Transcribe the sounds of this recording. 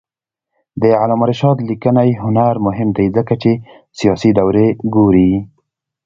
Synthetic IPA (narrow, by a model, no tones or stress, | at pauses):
d̪əʕalɑmaɾʃɑd̪likənajɦʊnaɾmʊɦɪmd̪ajd͡zəkat͡ʃe | sijɑsid̪awɾeɡoɾi